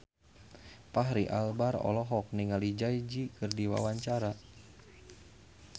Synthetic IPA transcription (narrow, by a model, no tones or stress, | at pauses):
paɦɾiʔalbarɔ̰lɔɦɔk̚niŋalid͡ʒajd͡ʒikɨrdiwa̰waɲt͡ʃaɾa